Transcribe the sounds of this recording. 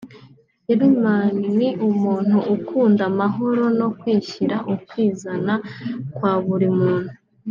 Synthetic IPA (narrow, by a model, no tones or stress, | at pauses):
iɾimaniniʔumuːn̥uʔːkʰuːndamaɦo̞ɾo̞no̞kwiːçiɾaʔukwiːzanakwaːβuɾimuːn̥hu